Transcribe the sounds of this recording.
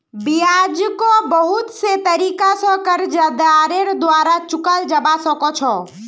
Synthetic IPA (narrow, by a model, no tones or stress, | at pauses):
bijad͡ʒkobəɦʊt̪set̪əɾiːkasɔ̃kəɾd͡ʒəd̪aːɾeɾd̪waːɾat͡ʃʊkəld͡ʒəbasɔ̃kɔt͡ʃʰɔ